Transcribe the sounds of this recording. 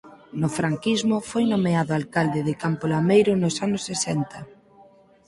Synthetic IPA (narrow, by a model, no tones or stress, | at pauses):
nʊfɾaŋkizmʊfojnomeaðʊalkald̪ɪðɪkampolamejɾʊnʊsanʊsːesɛnt̪ɐ